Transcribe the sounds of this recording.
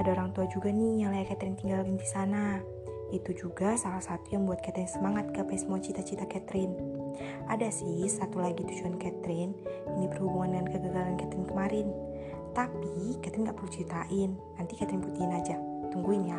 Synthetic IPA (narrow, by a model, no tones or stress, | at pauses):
adaoɾaŋt̪uad͡ʒuɡanijaŋlajakɛt̪ɾɪnt̪iŋɡalɡindisana | it̪ud͡ʒuɡasalahsat̪ujaŋbuat̪̚kɛt̪ɾɪnsəmaŋat̪̚kəpasmuat͡ʃit̪at͡ʃit̪akɛt̪ɾɪn | ʔadasɪsat̪ulaɡit̪ut͡ʃuankɛt̪ɾɪninipərhubuŋandəŋankəɡaɡalankɛt̪ɾɪnkəmaɾɪn | t̪apikɛt̪ɾɪnɡaʔpərlut͡ʃit̪aʔɪnːant̪ikɛt̪ɾɪnput̪iɪnad͡ʒat̪uŋɡuɪnja